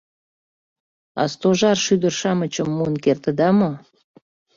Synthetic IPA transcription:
ɑ̰st̪oʒɑrʃyd̪ərʃɑmət͡ɕəmːuənkert̪ə̆d̪ɑmo

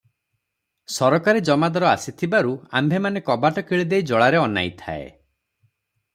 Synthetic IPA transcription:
sɔɾɔkaɾid͡ʒɔmad̪ɔɾɔa̰sit̪ʰibaɾuambʱemanekɔbaʈɔkiɭid̪ejd͡ʒɔɭaɾeɔna̰jt̪ʰa̰ḛ

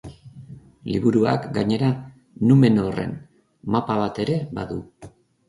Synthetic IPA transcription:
liβuɾua̰kɡaɲe̞ɾa | nume̞nore̞̰n | mapaβ̞at̪e̞ɾe̞βa̰ðu

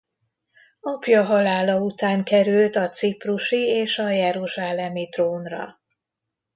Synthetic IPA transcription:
ɒpjɒɦɒlaːlɒut̪aːŋkɛɾylt̪ɒt̪sipruʃieːʃɒjɛɾuʒaːlɛmit̪roːnrɒ̰

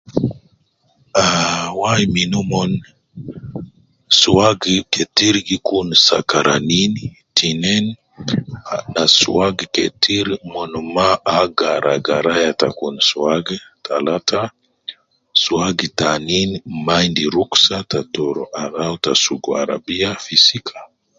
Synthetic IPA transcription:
awajiminumɔn | suaɡikɛtiɾɡikunsa̰kaɾanini | tinɛn | nasuaɡikɛ̰tʰiɾimɔnɔmaʔːɡaɾaɡaɾajata̰kunsuaɡɛtʰalata | suaɡitaninmaindiɾuksatatɔɾɔ̰ʔaðawtasuɡua̰ɾa̰biafisikʰḁ

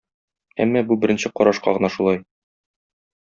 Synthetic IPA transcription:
æ̰mːɑbubɘ̆ɾɘ̆nɕɘqɒɾɑʃqɑ̰ʁɤ̆nɑʃulˠɑj

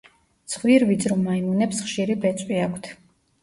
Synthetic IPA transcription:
t̪sʰχviɾvid̪zɾɔmaimunɛpsχʃiɾibɛt̪sʼwiakʷʰt̪ʰ

